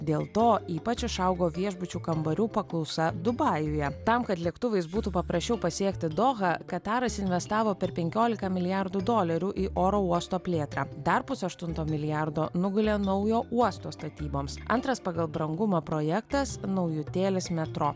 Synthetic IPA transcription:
d̪ʲeːlˠt̪oːiːpɐt͡ʃʲɪʃɐʊɡoːʋʲiɛʒbʊt͡ʃʲuːkɐmbɐɾʲuːpɐklˠɔʊsɐd̪ʊbɑːjʊjɛt̪ɐmkɐt̪lʲiɛkt̪ʊʋɐɪsbuːt̪upɐpɾɐsʲt͡ʃʲɛʊpɐsʲiɛkt̪ʲɪd̪oːɣɐkɐt̪ɑːɾɐsɪnʲʋʲɛst̪ɑːʋoːpʲɛɾpʲɛŋʲkʲoːlʲɪkɐmʲɪlʲɪjɑɾd̪uːd̪oːlʲɐɾʲuːʔiːʔoːɾoːuɔst̪oːpʲlʲeːt̪ɾɑːd̪ɐɾpʊsɐʃt̪ʊnt̪oːmʲɪlʲɪjæɾd̪oːnʊɡʊlʲenɔʊjoːʔuɔst̪oːst̪ɐt̪ʲiːboːmsʔɐ̰nt̪ɾɐspɐɡɐlˠbɾɐŋɡʊmɐpɾoːjɛkt̪ɐsnɒʊjʊt̪ʲeːlʲɪsmʲɛt̪ɾoː

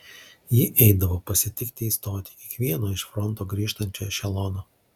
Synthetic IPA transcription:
jɪʔɛɪd̪ɐʋoːpɐsʲɪt̪ʲɪkt̪ʲɪiːst̪oːt̪ʲɪ̥kʲiɛkʋʲiɛnoːɪʃfɾɔnt̪oːɡɾʲiːʃt̪ɐnʲt͡ʃʲoːjɔʃʲɛlˠɔnoː

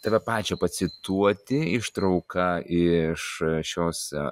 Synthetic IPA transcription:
t̪ɑːʋʲɛpɑːt͡ʃʲopɐsʲɪt̪uɔt̪ʲɪɪʃt̪ɾɐʊkɐɪʃʃʲoːs

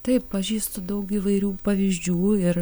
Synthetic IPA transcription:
t̪ɐɪpppɐʒʲiːst̪od̪ɐʊkɪʋɐɪɾʲuːpɐʋʲɪzʲd͡ʒʲuːɪɾ

